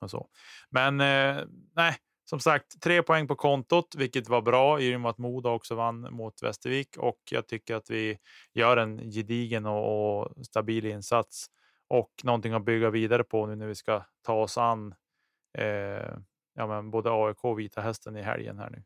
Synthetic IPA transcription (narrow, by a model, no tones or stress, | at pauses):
ɔsɔ̰ | mɛn | næɪ | sɔmsakt̪ʰːɾeːpʰɔɛŋːpɔkʰɔnt̪ʊt̪vɪlkːət̪vaɾbɾɑːɪmʊat̪muːd̪aɔksɔvanːmʊt̪vɛ̰st̪əɾviːkʰɔ̰kjɑ̰ːɡ̚t̪ʰʏkːəɾat̪vɪ | jœːɾɛnjɪd̪iːɡənɔɔst̪abiːlɪnsat̪s | ʔɔknɔnt̪ɪŋabʏɡːaviːd̪aɾəpʰɔnʉːnæɾvɪskat̪ʰɑːɔsanː | jɑːmɛnboːd̪əɑːɛkʰoːɔviːt̪ʰaɦɛst̪ənɪɦɛ̰ljə̰nhæ̰ːɳʉ̟̰ː